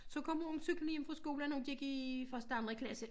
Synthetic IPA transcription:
sɒ̽kʰɒ̽moŋsyɡ̥lənjemfʁɑsɡ̥o̝ːlænɔd̥ieɡ̥ifɶɐsd̥əɑ̈nd̥ʁɐkʰlæsə

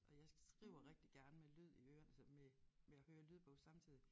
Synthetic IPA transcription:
ʔɒ̽jɑ̈ɪsɡ̥ʁḭʊ̰ɐʁeɡ̥̚d̥iɡ̥æɐnəmelyð̞̰ˠiøːɐnæsɒmemeæhøːɐlyðˠb̥ɔ̽ʊsɑ̈mt͡sʰið̰ˠi

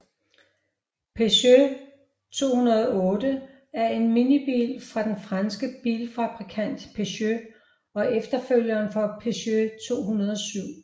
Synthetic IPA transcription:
pʰeɕø | t͡sʰo̝̰ːhunɐð̞ˠɔ̽ːd̥ə | æɐe̝nminib̥ḭːlfʁɑ̈d̥enfʁɑnsɡ̥əb̥ḭːlfæ̈b̥ʁikʰæn̰d̥pʰe̝ɕø | ɒ̽ʔefd̥ɐføl̰jɐːnfɒ̽pʰe̝ɕøt͡sʰo̝̰ːɦunɐð̞ˠɒ̽syʊ̰

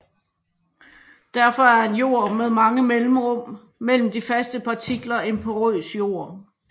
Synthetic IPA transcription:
d̥æɐfɒ̽æɐe̝njo̝̰ːɐ̰meðˠmɑ̈ŋəmelm̩ʁɔ̽m̰ | mel̰m̩d̥ifæsd̥əpʰɑ̈t͡sʰiɡ̥lɐe̝npʰɒ̽ʁyðˠsjo̝̰ɐ̰

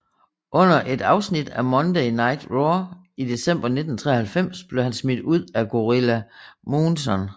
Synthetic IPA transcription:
ʔɔ̽n̰ɐʔe̝d̥ɑ̈ʊsnid̥æmɒ̽nd̥ɛɪnɑ̈ɪ̰d̥ʁɔ | id̥e̝sem̰b̥ɐne̝d̥n̩t͡sʰʁɛ̰ːɐhælfem̰sb̥le̝hænsmid̥uð̞̰ˠæɡ̥o̝ʁilæmoːnsɒn

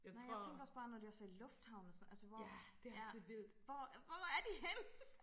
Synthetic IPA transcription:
jnaɪjat͡sʰeŋɡ̥ɐɒ̽sb̥ɑ̈ːnɒd̥e̝ɒɐsɒilɔ̽fd̥hɑ̈ʊn̩sɒnælsəʋɒd̥ejæed̥ʋið̰ˠdˠʋɒʋɒæɐd̥ihen

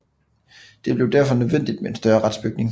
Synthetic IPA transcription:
d̥e̝b̥le̝ʊd̥æɐ̰fɒ̽nøðˠʋen̰d̥id̥meensd̥ɶɐʁad̥sb̥yɡ̥̚ne̝ŋ

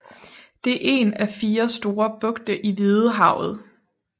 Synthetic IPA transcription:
d̥e̝æɐʔe̝̰næfiːɐsd̥o̝ːɐb̥ɔ̽ɡ̥d̥əʔiʋið̩ˠəɦɑ̈ʊ̰ð̩ˠ

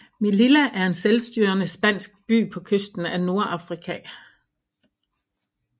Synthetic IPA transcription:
mililæʔæɐe̝nselsd̥yɐnəsb̥æn̰sɡ̥̚b̥y̰ːpʰɒ̽kʰøsd̥n̩æno̝ɐʔɑ̈fʁikʰɛ

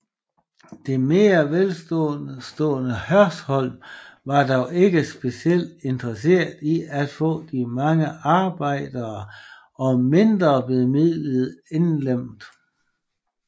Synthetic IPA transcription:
d̥e̝me̝ːɐʋelsd̥ɔ̰sd̥ɔ̰ːnəhɶɐshɒ̽l̰ʋɑ̈d̥ɒʊʔe̝ɡ̥əsb̥e̝siel̰d̥e̝nd̥ʁɐse̝̰ɐ̰d̥iæd̥fɔ̰̽ːd̥imɑ̈ŋəɑ̈ːb̥ɑ̈ɪ̰d̥ɐː | ɒ̽me̝nd̥ʁɐb̥leð̩ˠmið̰ˠləð̩ˠe̝nlem̰d̥

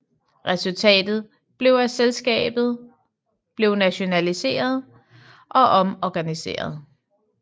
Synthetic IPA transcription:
ʁɛsult͡sʰɛ̰ːd̥ð̞̩ˠ | b̥le̝ʊæselsɡ̥ɛ̰ːb̥ð̩ˠ | b̥le̝ʊnæɕo̝nælise̝̰ːɐð̞ˠ | ʔɒ̽ʔɒ̽mɒɡ̥ænise̝̰ːɐð̞ˠ

